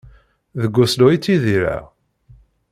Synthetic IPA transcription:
ðəɡʷːʊsluit͡sːiðiɾæ̰

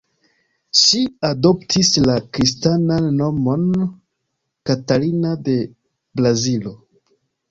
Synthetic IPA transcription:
ʃiado̞ptʰislakɾistananːo̞mo̞n | katalinade̞ | bɾazilo̞

